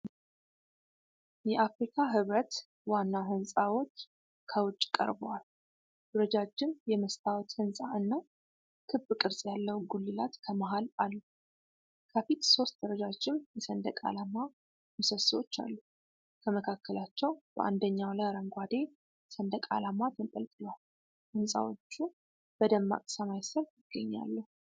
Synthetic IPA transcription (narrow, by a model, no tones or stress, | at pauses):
jɛʔafɾikʰaɦɨβɾət̪ | wanːawɦɨnsʼawot͡ʃː | kʰəwʊt͡ʃʼkʼə̰ɾbwal | d̪əɾəd͡ʒad͡ʒːɪmjɛməst̪ʰawɔt̪hɨnsʼaɨnːaw | kʰɨbɨkʼɨɾsʼjalːəwɡulːɨlat̪kʰəmaɦalalːu | kʰəfit̪so̞st̪̚d̪əɾəd͡ʒad͡ʒɪmjɛsənd̪əkʼa̰lama | məsəswo̞t͡ʃːa̰lːu | kʰəməkʰakːəlat͡ʃːɛwbə̰ʔa̰nd̪əɲːawlaɾəŋɡʷad̪e̞ | sənd̪əkʼa̰lamat̪ʰənpʼə̰lt̪ʼɨlwal | hɨnsʼa̰wo̞t͡ʃːu | b̥əd̪əmːa̰kʼsəmajsəɾjɪɡ̥ːəɲːa̰lːə